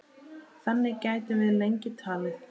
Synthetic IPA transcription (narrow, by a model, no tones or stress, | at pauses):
θɛnːɪcaːjt̪ɪvɪðlejɲcɪt̪ʰaːlɪ